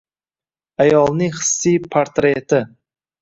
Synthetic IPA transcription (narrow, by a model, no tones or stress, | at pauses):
ajɒlˠnɪŋχɨ̥sːijpʰaɾt̪ɾet̪ʰɪ